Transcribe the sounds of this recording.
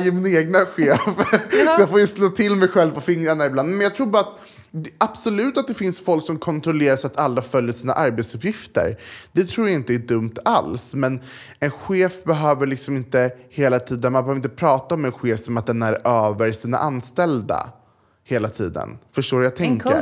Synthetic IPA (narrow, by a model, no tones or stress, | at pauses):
jəmɪnaeːɡnaɧeːfsɔjafoːjsloːt̪ʰɪlmɛjɧɛlvpɔfɪŋɾaɳaɪbland̪mɛnjɑɡt̪ʰɾuːɾbɑːɾat̪ | ab̥sɔlʉ̟ːt̪at̪̚d̪ɛfɪnsfɔlksɔmkʰɔnt̪ɾɔleːɾasat̪ʰalːafœljəʂiːna̰ʔaɾbeːt̪sɵpjɪft̪ə̰ɾd̪̥ɛt̪ʰɾuːɾjaɪnt̪əæɖɵmt̪ʰa̰lsmɛn | ɛnɧeːfbɛɦøːvəɭɪksɔmɪnt̪əheːlat̪ʰiːd̪ənmanbɛhœːvɾɪnt̪əpʰɾɑːt̪aɔmɛnɧeːfsɔmat̪̚d̪ɛnæɾøːvəɾʂiːna̰ʔanst̪ɛld̪a̰ | heːlat̪ʰḭːd̪ə̰nfœʂʈoːɾjaːt̪ʰɛŋkə̰